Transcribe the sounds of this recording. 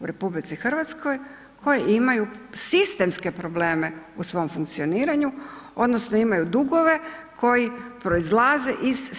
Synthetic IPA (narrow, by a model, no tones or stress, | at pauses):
uɾe̞publit̪sixr̩ʋat̪sko̞j | kʰo̞jeʔimajusist̪e̞mske̞pɾo̞ble̞ːmeusʋo̞mfuŋk̚t̪sio̞niːɾaɲuo̞d̪no̞snoimajud̪uɡo̞ʋe̞ | kʰo̞jipɾo̞izlˠaze̞ʔiz